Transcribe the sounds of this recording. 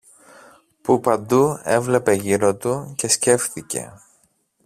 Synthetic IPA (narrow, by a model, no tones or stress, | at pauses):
pupɐnd̪ue̞vle̞pe̞ʝiɾo̞t̪uce̞sce̞fθice̞̰